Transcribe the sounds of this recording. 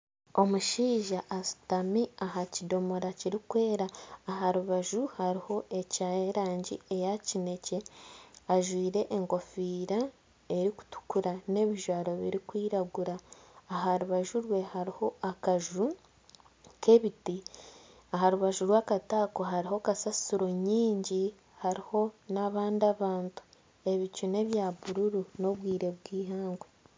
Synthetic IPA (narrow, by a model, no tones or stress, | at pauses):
omuʃiːʒaʔːsu̥tamiaɦacido̞mo̞ɾaciɾikwe̞ːɾaːɦaɾuβaʒuhaɾiho̞ʔe̞caeɾaːɲɟḭe̞jacine̞ce̞aʒwiːɾe̞ʔeŋɡo̞fiːɾa | e̞ɾiku̥tu̥kuɾane̞ːβiʒwaːɾo̞βḭɾikwiːɾaɡuɾaːɦaɾuβaʒuɾwe̞haɾiho̞akaʒu | kʰe̞βiti | aɦaɾuβaʒuɾwaːkataːkoɦaɾiɦo̞kasasuɾo̞ɲiːɲɟi | haɾiho̞naβaːndiaβaːntu̥ | e̞βicune̞βjaβuɾuɾuno̞βwiːɾe̞βwiːɦaːŋɡwe